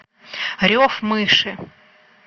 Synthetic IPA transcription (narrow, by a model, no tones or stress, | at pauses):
ɾʲofmɨʂɨ